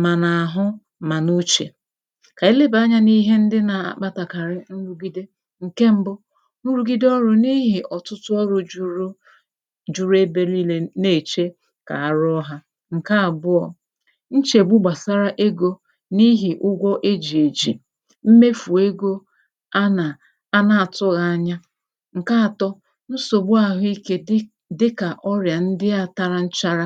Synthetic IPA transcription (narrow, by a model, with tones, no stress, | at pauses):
ma˨na˨a˨ɦʊ˦ | ma˨nu˦t͡ʃḛ˨ | ka˨e˦le˦ba˦ɲa˦ni˦ɦe˦n̩˦dɪ˦na˨a̰˨k͡pa˦ta˨ka˨ɾɪ˦n̩˦ɾu˦ɡi˦de˦ | ŋ̩˨ke˦m̩˦bʊ˦ | nu˦ɾu˦ɡi˦de˦ɔ˦ɾʊ˦ni˦ɦi˨ʔɔ˨tʊ˦tʊ˦ɔ˦ɾʊ˨d͡ʒɾ | d͡ʒu˦ɾe˦be˨li˦le˦ne˨t͡ʃe˦ | ka̰˨a˦ɾɔ˦ɦa˦ | ŋ̩˨ka˦a˨bʊ˦ɔ˨ | n̩˦t͡ʃe˨ɡ͡bʊ˦ɡ͡ba˨sa˦ɾa˦ʔe˦ɡo˦ | ni˦ɦi˨ʔʊ˦ɡʷɔ˦ʔe˦d͡ʒi˨e˨d͡ʒḭ˨ | m̩˦me˦fu˨e˦ɡo˦ | a˦˨ | a˦na˨a˨tʊ˦ɣa˨a˦ɲa˦ | ŋ̩˨ka˦˨tɔ˦ | n̩˦so˨ɡ͡bʊ˦a˨ɦʊ˦i˦ke˦ | dɪ˦ka˨ʔɔ˦ɾja˨n̩˦dɪ˦a˦˨ta˦ɾa˨n̩˦t͡ʃa˦ɾa˦